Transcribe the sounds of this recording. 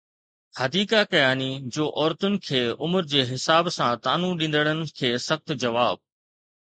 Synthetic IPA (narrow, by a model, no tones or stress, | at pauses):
hɐd̪iːkakɐjaːnid͡ʑoːʔɔːɾt̪ʊnɪ̆kʰeːʊməɾd͡ʑeːɦɪsaːbsãt̪aːnũɗĩːn̆d̪əɽ̃ənɪ̆kʰeːsɐxt̪d͡ʑɐʋaːb̚